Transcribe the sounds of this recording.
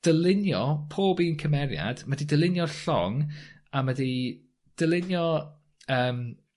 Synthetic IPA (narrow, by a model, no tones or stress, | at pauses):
d̥əlˠɪnjɔpʰoːbiːnkʰəmɛɾja̰d̥madidəlˠɪnjɔɬɔ̰ŋ | amədi | d̥əlˠɪnjɔ | əːm